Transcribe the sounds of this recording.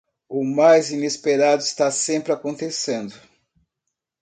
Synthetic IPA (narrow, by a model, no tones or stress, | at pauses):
ʊmajzinespeɾad̪ʊist̪asẽmpɾɪakõnt̪esẽnd̪ʊ